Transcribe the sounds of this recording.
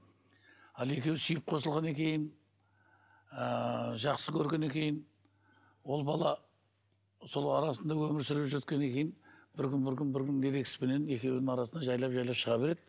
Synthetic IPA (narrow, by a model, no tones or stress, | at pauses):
ɑlˠe̞kʲe̞wsʏjɪp̚qʰo̞səlˠʁɑne̞kʲe̞jɪn | əʒɑqsəkʲʰɵɾɡʲe̞ne̞kʲe̞jɪn | wo̞lˠbɑlˠɑ | so̞lˠɑɾɑsənd̪ɑwɵmɪɾsʏɾɪʒɵt̪̚kʲene̞kʲe̞jɪnbɪɾkʲʏnbɪɾkʲʏnbɪɾkʲɪnd̪e̞ɾe̞kʲɪsɪ̥bene̞ne̞kʲe̞wd̪ɪŋɑɾɑsənd̪ɑʒɑjlˠɑpʒɑjlˠɑpʃəʁɑbe̞ɾe̞d̪ɪ